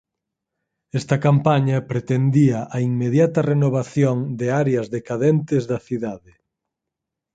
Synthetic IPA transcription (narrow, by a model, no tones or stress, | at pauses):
ɛst̪ɐkampaɲɐpɾet̪end̪iɐʔɐiŋmeðjat̪ɐrenoβaθjoŋd̪eaɾeɐzðekaðent̪ezðɐθiðaðɪ